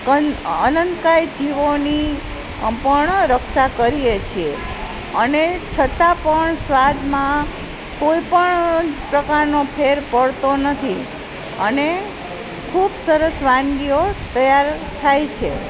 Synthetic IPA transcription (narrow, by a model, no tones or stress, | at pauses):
kəənənt̪kajd͡ʒiʋoni | pəɳɾəkʃakəɾijet͡ʃʰie | ənet͡ʃʰət̪apəɳsʋad̪mã | koipəɳpɾəkaɾnopʰeɾpəɽt̪onət̪ʰi | əne | kʰubsəɾəsʋãŋɡiot̪əjaɾ | t̪ʰajt͡ʃʰe